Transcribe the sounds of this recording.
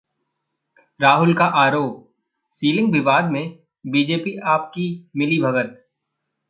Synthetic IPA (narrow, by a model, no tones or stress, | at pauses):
ɾaːɦʊlkaʔaːɾoːp̚ | siːlɪ̃ŋɡbɪbaːd̪̚mẽ | biːd͡ʒeːpiʔaːp̚kimɪlibʱɐɡət̪̚